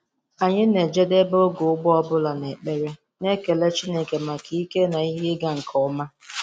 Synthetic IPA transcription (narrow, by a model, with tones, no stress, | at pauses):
a˨ɲɪ˦ne˨d͡ʒe˦de˦bo˦ɡʊ˨ʊ˦ɡ͡bɔ˦ɔ˦bʊ˦la˨ne˨k͡pe˦ɾe˦ | ne˦ke˨le˦t͡ʃi˦ne˦ke˨ma˨kʰi˦i˦ke˦na˨i˦ɦɪ˦ɡa˦ŋ̩˨kʰɔ˨ʊ˦ma˦